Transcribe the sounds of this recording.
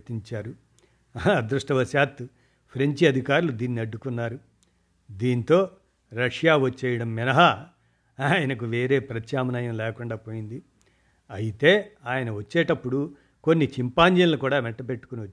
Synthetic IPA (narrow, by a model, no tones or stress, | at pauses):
t̪iɲt͡ʃaːɾu | ɐd̪ɾuʂʈɐʋɐsaːt̪ːu | pʰɾeɲt͡ʃiɐd̪ʱikaːɾulud̪iːnːiɐɖːukunːaːɾu | d̪iːnt̪o̞ː | ɾɐʂjaːʋɐt͡ʃːɛːjɐɽɐmːinɐɦɐ | aːjɐnɐkuʋe̞ːɾe̞ːpɾɐt͡ʃjaːmɐnɐjɐmlɛːkuɳɖaːpo̞ːjind̪i | ɐjit̪e̞ːaːjɐnɐʋɐt͡ʃːeːʈɐpːuɽu | ko̞nːit͡ʃimpaːɲd͡ʒɐnlukuːɽaːʋɛʈːɐpe̞ʈːu̥koniɐt͡ʃː